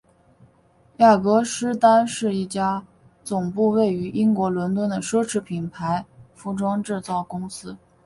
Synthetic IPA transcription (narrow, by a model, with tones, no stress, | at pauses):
ja˥˩kɤ˧˥ʂɻ̩˥t̪a˥nʂɻ̩˥˧i˥˩t͡ɕja˥ | t͡sʊ˨˩ŋpu˥˧we˥˩ɪy˧˥ʔi˥ŋkwɔ˧˥lwə˧˥nt̪wə˥˩nd̪ə˨ʂɤ˥ʈ͡ʂʰɻ̩˧˥pʰi˨˩npʰa˧˥ɪfu˧˥˩ʈ͡ʂwɑ˥ŋʈ͡ʂɻ̩˥˧t͡sɑ˥˩ʊkʊ˥ŋsɹ̩˥